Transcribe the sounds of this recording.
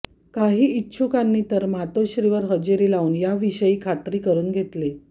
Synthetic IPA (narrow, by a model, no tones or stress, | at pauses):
kaɦiːitːɕʰukanːiːt̪əɾmat̪oɕɾiʋəɾɦəd͡ʑiɾiːlauːnjaʋiɕəjiːkʰat̪ɾiːkəɾuːnɡʱet̪le